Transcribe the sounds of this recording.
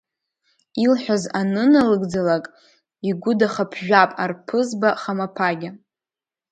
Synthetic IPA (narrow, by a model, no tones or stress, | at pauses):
ilħʷᶣazanɨnalɨɡd͡zalakʼ | iɡʷʊdaχapʰʒᶣʷapʼarpʰɨzbaχamapʰaɡʲa